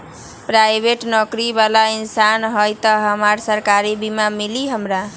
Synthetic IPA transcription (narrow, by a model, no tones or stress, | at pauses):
pɾajbeʈnɔkɾibalainsanɦəjt̪əɦəmaɾsəɾkaɾibimamiliɦəmɾa